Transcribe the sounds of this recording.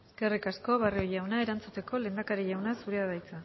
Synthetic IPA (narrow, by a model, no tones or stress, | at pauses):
eske̞rikasko̞βario̞jawnae̞ɾant͡sut̪e̞ko̞le̞ːnd̪akaɾeʝawnasuɾeaðajt͡sa